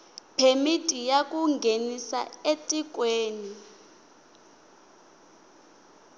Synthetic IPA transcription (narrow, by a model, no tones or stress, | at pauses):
pʰemitʼijakʼuŋɡʱenisa̰etʼik̬ʼweːni